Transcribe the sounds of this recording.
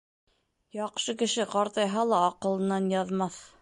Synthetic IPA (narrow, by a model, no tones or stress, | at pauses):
jɑqʃɤkɘ̆ʃɘqɑɾt̪ɑjɦɑlˠɑːqɤ̆lˠɤ̆nɑnjɑðmɑθ